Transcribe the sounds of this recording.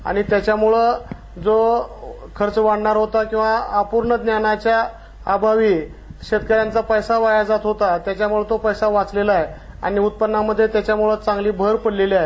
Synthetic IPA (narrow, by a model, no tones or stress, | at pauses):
a̰ɽ̃it̪jat͡ɕjamuɭə | d͡zo | kʰəɾt͡sʋaɽɳaɾɦot̪akĩw̃ʋaːpuɾɳəd̪njanat͡ɕjaː | bʱaʋiː | ɕet̪kəɾjant͡sapəjsaʋajad͡zat̪ɦot̪at̪jat͡ɕjamuɭət̪opəjsaʋat͡slelae | a̰ɽ̃iut̪̚pənːaməd̪ʱːjet̪jat͡ɕjamuɭət͡sãŋɡliːbʱəɾpəɽleliaje